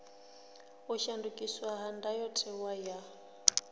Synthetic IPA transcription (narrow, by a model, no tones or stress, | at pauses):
uʃandukʼiswaɦandajɔtʰɛwaja